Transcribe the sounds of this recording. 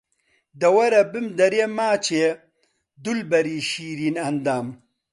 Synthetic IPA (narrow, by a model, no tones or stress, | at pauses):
d̪ɐwɐɾɐbɨmd̪ɐɾeːmaːt͡ɕʰeː | d̪ulbɐɾiːʃiːɾiːnɐnd̪aːm